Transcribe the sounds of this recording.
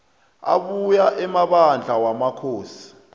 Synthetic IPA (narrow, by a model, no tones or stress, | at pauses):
a̰ɓujaʔɛmaɓand͡ɮʱawamakʰoːsi̥